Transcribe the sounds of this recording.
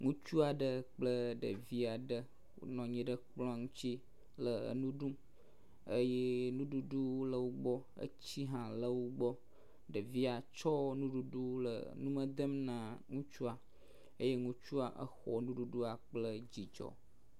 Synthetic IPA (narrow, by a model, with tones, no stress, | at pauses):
ŋũ˦t͡ʃu˦a˨ɖə˦k͡plə˦ɖə̰˨vi˦a˨ɖə˦ | o̰˨˦nɔ̃˨ɲɛ̃˨ɖə˦k͡plɔ̃˦ŋũ˦t͡ɕi˦ | lə˨ə̰˨nũ˦ɖũ˦m | ə˦je˦nũ˦ɖu˨ɖu˦lə˨wo˦ɡ͡bɔ˦ə̰˦t͡ɕi˦ɦã˨lə˦wo˦ɡ͡bɔ˦ | ɖə˨vi˦a˨t͡ʃɔ˦nũ˦ɖu˨ɖu˦lə̰˨nũ˦mə̃˦d̪ə˦mnã˨ŋũ˦t͡ʃu˦a˨ | ə˦je˦ŋũ˦t͡ʃu˦a˨ʔə̰˦xɔ˨nũ˦ɖu˨ɖu˦a˨k͡plə˦d͡ʑi˨d͡ʒɔ̰˨